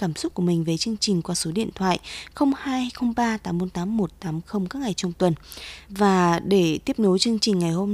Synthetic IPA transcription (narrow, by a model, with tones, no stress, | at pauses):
kaː˧˩msʊ˦˥k͡p̚ku˧˩mï˨˩ŋ̟ve˨˩t͡ɕɨ˧əŋt͡ɕï˨˩ŋ̟kwaː˧so˨˦ɗḭ˧˨ənt̪ʰwa̰ː˧˨jʔxə˧wŋ͡mhaː˧jxə˧wŋ͡mɓaː˧t̪aː˨˦mo˨˧˦t̪aː˨˦mːo˨˩t̚t̪aː˨˦mxə˧wŋ͡mkaː˦˥k̚ŋa˨˩jt͡ɕɔ˧wŋ͡mt̪wə˨˩nvaː˨˩ɗe˧˩t̪i˦˥əp̚ɗo˨˦t͡ɕɨ˧əŋt͡ɕï˨˩ŋ̟ŋa˨˩jho˧m